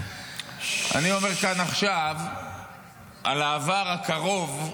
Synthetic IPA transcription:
a̰nio̞me̞ʁkanaχʃav | ʔalaːvaʁhakaʁo̞v

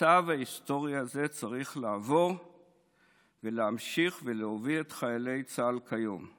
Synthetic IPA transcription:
avaist̪o̞ʁjaze̞t͡saʁiχlaːvo̞ʁ | veleamʃiχveleoviet̪χajale̞jt͡salkʰajo̞̰m

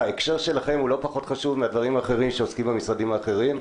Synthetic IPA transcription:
aekʃeʁʃe̞laχe̞mhulo̞paχo̞t̪χaʃuvmead̪vaʁimhaːχe̞ʁimʃeoskimamisʁadimhaːχe̞ʁim

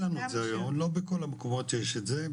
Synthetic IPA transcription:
anuzeajomlo̞beko̞lamekomot̪jeʃetze

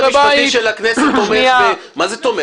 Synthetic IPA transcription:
ebajiʃelakneset̪omea | mazet̪ome

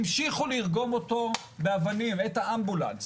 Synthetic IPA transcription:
mʃiχuliʁɡo̞moto̞ | beavanimethaambula̰ns

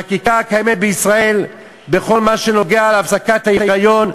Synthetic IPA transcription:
akikakajemet̚beisʁae̞l | be̞χo̞lmaʃe̞no̞ɡe̞aleafsakat̪hajiajajo̞n

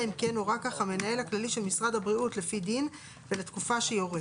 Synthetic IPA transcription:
imke̞nuʁakaχame̞nae̞lhaklaliʃe̞lmisʁadhabʁiutle̞fidin | ve̞letkufaʃejo̞ʁe

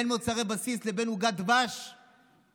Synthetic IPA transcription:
nmot͡saʁebasislebenuɡad̪baʃ

